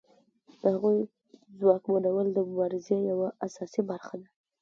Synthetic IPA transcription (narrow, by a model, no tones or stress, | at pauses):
d̪̥əhaɣuj | zwɑkmanawəld̪əmʊbɑɾɪzejawaasɑsibaɾxad̪a